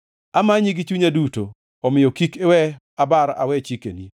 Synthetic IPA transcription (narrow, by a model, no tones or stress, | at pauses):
amaɲiɡit͡ʃuɲaduto̰ | ɔmɪjɔkikewɛ | abaɾa̰wɛt͡ʃikḛni